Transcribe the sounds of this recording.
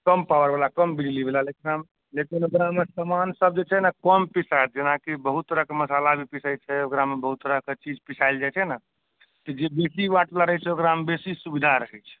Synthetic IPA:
kəmpawəɾbalakəmbid͡ʒlibelalekinam | lekinokɾamesəmansəb̚d͡ʒet͡ʃʰɛnakəmpisat̪̚d͡ʒenakibəɦut̪ːəɾəkeməsalabʱipisʰəjt͡ʃʰɛokɾamebəɦut̪ːəɾəket͡ʃid͡ʒpisʰajld͡ʒat͡ʃʰɛna | t̪ɔd͡ʒebesibaʈlaɾəɦɛt͡ʃʰɛokɾambesisubid̪ʱaɾəɦɛt͡ʃʰɛ̥

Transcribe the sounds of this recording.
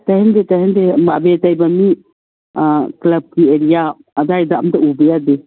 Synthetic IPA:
tahendetahendema̰betajbami | klɐb̚kieɾijaː | dajdaːmdaubejade

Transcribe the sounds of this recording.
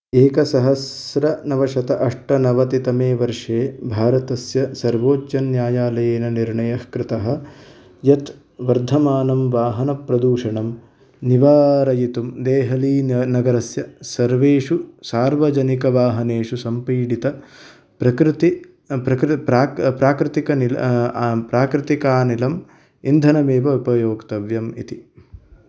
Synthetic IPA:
eːkɐsɐɦɐsɾɐnɐʋɐʃɐt̪ɐʔɐʂʈɐnɐʋɐt̪it̪ɐmeːʋɐɾʂeːbʱaːɾɐt̪ɐsjɐsɐɾʋoːtjɐnjaːjaːlɐjeːnɐniɾɳɐjɐhkɾɪt̪ɐɦɐ̆ | jɐt̪ | ʋɐɾd̪ʱɐmaːnɐmʋaːɦɐnɐpɾɐd̪uːʂɐɳɐm | niʋaːɾɐjit̪umd̪eːɦɐliːnɐɡɐɾɐsjɐsɐɾʋeːʂusaːɾʋɐd͡ʒɐnikɐʋaːɦɐneːʂusɐmpiːɽit̪ɐ | pɾɐkɾɪt̪i | pɾɐkɾpɾaːpɾaːkɾɪt̪ikɐnilpɾaːkɾɪt̪ikaːnilɐm | ind̪ʱɐnɐmeːʋɐupɐjoːkt̪ɐʋjɐmḭt̪i

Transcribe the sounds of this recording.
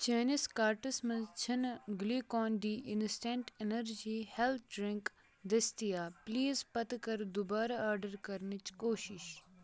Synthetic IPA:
t͡ʃeːniskaːɾʈismɐ̃nzt͡ʃʰɐnɡliːkɔːnɖ̪iːʔɪnsʈeɳʈenəɾd͡ʒiːhelt̪̚ʰɖɾɪ̃ŋk | d̪ɐst̪ijaːpliːzpɐt̪kɐɾd̪ʊbaːɾaaːɾɖəɾkɐɾnit͡ʃkoːʃɪʃ

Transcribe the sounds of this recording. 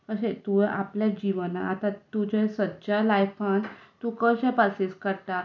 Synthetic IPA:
kəɕet̪uʔapljad͡ʑiʋənaat̪at̪ud͡ʑesətːɕalajfant̪ukəɕẽpaseskəɾt̪a

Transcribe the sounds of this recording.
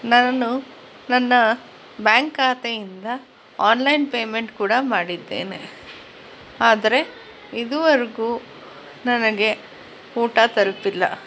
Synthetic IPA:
naːnu | nɐnːɐ | bjaːŋkaːt̪ejind̪ɐ | aːnlɐjnpeːmeɳʈkuːɽɐmaːɽid̪ːe̞̰ːne̞̰ | aːd̪ɐɾe̞ | id̪uʋɐɾɡu | nɐnɐɡe̞ | uːʈɐt̪ɐɾɐpilːɐ̰

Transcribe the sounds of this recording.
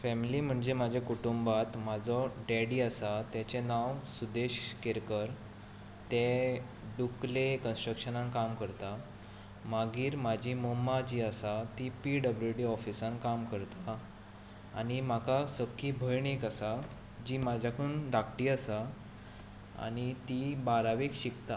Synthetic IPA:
fɛmiliːm̤əɳd͡zemad͡ʑʱekuʈumbat̪mad͡zɔɖɛɽiəsat̪jat͡ɕenawsud̪eɕkeɾkəɾ | t̪e | ɖuklekənsʈɾəkɕənãnkamkəɾt̪a | maɡiːɾmad͡ʑʱimomːad͡ʑiːəsat̪ipiɖəbljuɖiɔfisãnkamkəɾt̪aː | ɽ̃im̤akasəkʰːiːbʱəjɳikasa | d͡ʑiːmad͡ʑʱjakʰund̪akʰʈiːasa | a̰ñit̪ibaɾaʋekɕikt̪a

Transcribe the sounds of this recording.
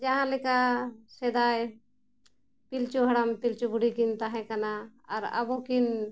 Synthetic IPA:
d͡ʒəɦãlekased̪aj | pilt͡ʃuɦəɽampilt͡ʃubʱuɽikint̪aɦɛkanaːɾə̰bokin

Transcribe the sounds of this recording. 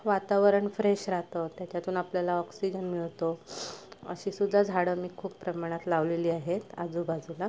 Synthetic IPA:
ʋat̪aʋəɾəɳfɾeɕɾat̪ət̪jat͡ɕjat̪uːnapljalaɔksid͡ʑənmiɭt̪o | ə̰ɕiːsud̪ʱːad͡zʱaɽəmiːkʰuːpːɾəmaɽ̃at̪laʋleliːaɦet̪a̰d͡zuːbad͡zula

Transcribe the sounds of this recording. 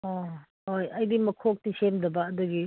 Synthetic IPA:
o | hojɐjdimɐkʰok̚tisemdɐbɐɐduɡi

